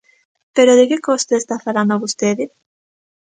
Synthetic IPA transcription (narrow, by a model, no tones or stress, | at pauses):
peɾoðekekost̪oest̪afaland̪oβust̪eðɪ